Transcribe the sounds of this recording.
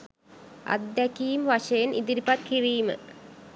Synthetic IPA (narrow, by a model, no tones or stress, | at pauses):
ɐ̰d̪jɐkijmʋɐʃejnḭd̪iɾpɐt̪̚kiriːmɨ̰